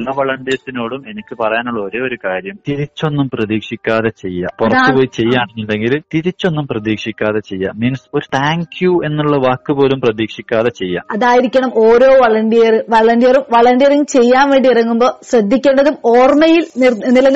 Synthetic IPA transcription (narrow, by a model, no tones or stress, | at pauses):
lːɐʋɐɭɐɳɖijɐsino̞ːɽume̞nikʲːɨpɐrɐjaːnuɭːo̞ːɾo̞ːoɾukaːɾjɐmt̪iɾit͡ɕːo̞nːumprɐðiːkʂikʲːaːðet͡ɕe̞jːa̰purɐt̪ːɨpo̞ːjt͡ɕejːaːɳenːilɖeŋɡilt̪iɾit͡ɕːo̞nːumprɐðiːkʂikʲːaːðe̞t͡ɕe̞jːa̰miːnso̞ɾut̪ʰaːŋkjue̞nːuɭːɐʋaːkːɨpo̞ːlumprɐðiːkʂikʲːaːðet͡ɕe̞jːa̰ːmɐðaːjiɾikʲːɐɳɐmo̞ːɾo̞ːʋɐɭɐɳɖijɐrɨʋɐɭɐɳɖijɐrumʋɐɭɐɳɖijɐrɐŋɡt͡ɕe̞jːaːnʋe̞ːɳɖiirɐŋːumbo̞ːɕrɐd̪ʱːikʲːe̞ːɳɖɐðumoːrmɐjilnnilɐn